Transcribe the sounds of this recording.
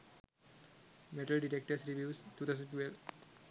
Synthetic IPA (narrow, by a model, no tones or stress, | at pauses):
mɛʈəlɖiʈɛk̚ʈəsɾivjustːuːt̪ʰaʊsə̃nʈwɛlf